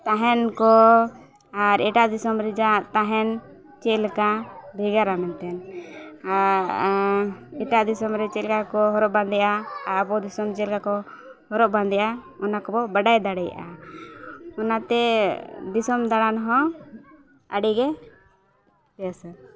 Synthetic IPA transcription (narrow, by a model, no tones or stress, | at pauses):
t̪aɦɛnkɔ | aɾɛʈaʔd̪isɔmɾid͡ʒaʔt̪aɦɛn | t͡ʃɛlkabʱɛɡaɾamɛnt̪ɛnaɾ | ɛʈaʔd̪isɔmɾɛt͡ʃɛlkakɔɦɔɾɔʔband̪ɛjaaɾbɔd̪isɔmt͡ʃɛlkakɔ | hɔɾɔʔband̪ɛjʔa | ɔnakɔbɔbaɖajd̪aɽɛja̰ʔa̰ | ɔnat̪ɛd̪isɔmd̪aɽanɦɔ̃ | əɖiɡɛ | p̪ɛasa